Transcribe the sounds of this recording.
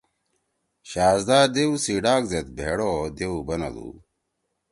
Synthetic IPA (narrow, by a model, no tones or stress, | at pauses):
ɕaːzd̪aːɾd̪eusiːɖaːkzet̪̚bʱḛːɽoːd̪eubɐnɐ̰lṵː